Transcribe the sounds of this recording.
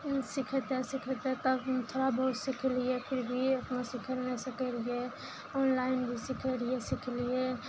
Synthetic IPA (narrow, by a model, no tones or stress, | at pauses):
sɪkʰət̪ɦɛsɪkʰət̪ɦɛ̃t̪əbt̪ʰoːɾabɐɦʊt̪sɪkʰliepʰɪɾbʱiɐpnosɪkʰəɾnesəkeɾie | ɔːnlaːɪnbʱisɪkʰəɾiesɪkʰlie